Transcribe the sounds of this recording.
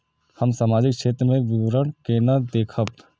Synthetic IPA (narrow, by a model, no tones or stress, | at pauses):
həmsaːmaːd͡ʒɪkʃʰeːt̪ɾəmẽʋɪwɾəɽkeːnəd̪eːkʰəp